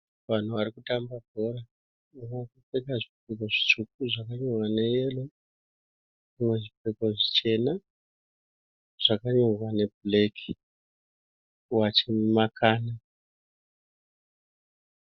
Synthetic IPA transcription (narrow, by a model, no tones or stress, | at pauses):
ʋan̤uʋaɾikutambabʱora | umakut͡sekaʐipekoʐit͡ʃuk̚uʐakaɲorwane̞jelo | ʐimwe̞ʐipeko̞ʐit͡ʃe̞na | ʐ̥akaɲorwane̞blekʰi̥ | wat͡ʃemumakʰaːna